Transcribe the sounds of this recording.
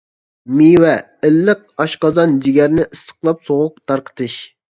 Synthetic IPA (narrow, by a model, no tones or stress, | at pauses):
miwɛ | ɪlːɪq̚ɑʃqɑzɑnd͡ʒiɡʲɛɾnɪʔɨst̪ə̥qlˠɑpsoʁʊq̚t̪ʰɑɾqʰə̥t̪ʰɨʃ